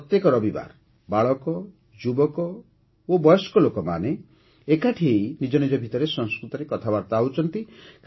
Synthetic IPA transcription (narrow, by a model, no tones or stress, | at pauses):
ɔt̪jekɔɾɔbiba̰ɾ | baɭɔkɔ | d͡ʒubɔkɔ | obɔjɔskɔlokɔmane | ekaʈʰiejnid͡ʒɔnid͡ʒɔbʱit̪ɔɾesɔ̃ŋskɾut̪ɔɾekɔt̪ʰabaɾt̪aut͡ʃɔnt̪ik